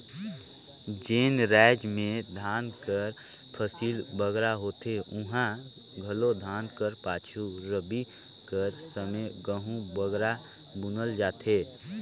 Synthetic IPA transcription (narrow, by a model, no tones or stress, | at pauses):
d͡ʒeːnɾaɪd͡ʒmẽd̪ʱaːnkəɾ | pʰəsiːlbəɡɾaɦoːt̪eʊɦã | ɡʱəlod̪ʱaːnkəɾpaːt͡ʃʰu | ɾəbi | kəɾsəməɡəɦũbəɡɾa | bʊnəld͡ʒaːt̪ʰeː